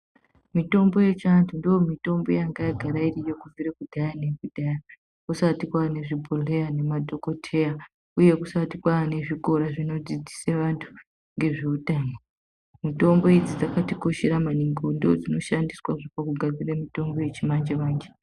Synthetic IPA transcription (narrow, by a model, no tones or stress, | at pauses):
mito̞mbo̞je̞t͡ʃantʰundiomito̞mbo̞jaŋɡajaɡʱaɾairijekuvʱiɾekudʱajane̞kudʱaja | kusatikwane̞ʐibʱole̞janemadʱo̞ko̞tʰe̞ja | uje̞kusatikwane̞ʐiko̞ɾaʐino̞d͡zid͡zi̥seʋantʰu̥ | ŋɡe̞ʐeutaːno | mito̞mbo̞id͡zid͡zakatiko̞ʃeɾamaniŋɡondood͡zino̞ʃandiswaʐopakuɡʱad͡ziremito̞mbo̞je̞t͡ʃimand͡ʒeʋaːnd͡ʒe